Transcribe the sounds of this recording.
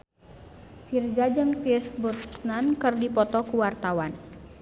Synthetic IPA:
fird͡ʒad͡ʒɨŋkist̪̚burt̪snankɨrdipɔt̪ɔkuwart̪awan

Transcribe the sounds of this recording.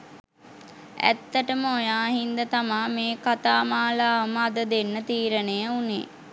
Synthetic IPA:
æ̰t̪ːəʈəməojaːɦind̪ət̪amaːmeːkat̪aːmaːlaːʋəməad̪əd̪enːət̪iːɾənejəunḛː

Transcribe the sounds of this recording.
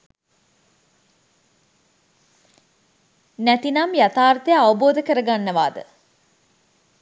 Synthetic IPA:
næt̪inamjat̪aːrt̪əjəaʋəboːd̪əkəɾəɡanːəʋaːd̪ə̰

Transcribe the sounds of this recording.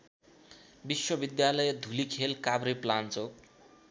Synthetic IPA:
biswʌbid̪jalʌjed̪ʱulikʰelkabɾiplant͡sok

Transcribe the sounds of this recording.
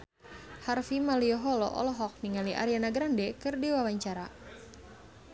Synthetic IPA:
harfimaliɔɦɔlɔ̰ʔɔ̰lɔɦɔk̚niŋaliʔa̰ɾianaɡɾandɛkɨrdiwawaɲt͡ʃaɾa

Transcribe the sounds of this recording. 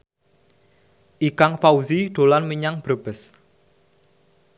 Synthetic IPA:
ʔikaŋfauziɖ̪̥o̤lanməɲaŋb̥əb̥ə̤s

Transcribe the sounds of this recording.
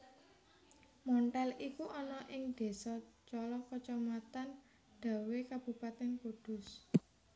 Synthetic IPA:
mɔɳʈɛlikuʔɔnɔʔɪŋd̪̥e̤sɔt͡ʃɔlɔkət͡ʃɔmat̪an | ɖ̪̥a̤wekab̥ṳpat̪ɛnkud̪̥ʊ̤s

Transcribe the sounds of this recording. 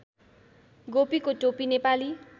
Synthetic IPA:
ɡopikoʈopinepali

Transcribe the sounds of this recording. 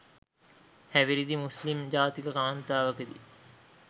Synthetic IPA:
hɛʋiɾid̪imuslimd͡ʒaːt̪ikəkaːnt̪aːʋəked̪ḭ

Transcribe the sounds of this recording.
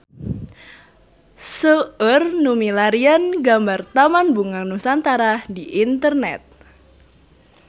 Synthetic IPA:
səərnumilaɾianɡambart̪amanbuŋanusant̪aɾahdiʔint̪ərnɛ̰t̪̚

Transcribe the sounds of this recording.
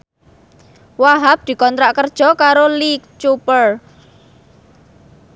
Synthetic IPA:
waɦap̚d̪̥i̤kɔnt̪ɾaʔkərd̥ʒ̥ɔ̤kaɾolik̚t͡ʃupər

